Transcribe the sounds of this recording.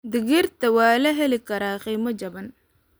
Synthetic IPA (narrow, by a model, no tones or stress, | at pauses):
d̪ɪɣirt̪ʰɐwɑːlɐɦɛlɪkʰɐɾaːqiːmɐd͡ʒɐβɐn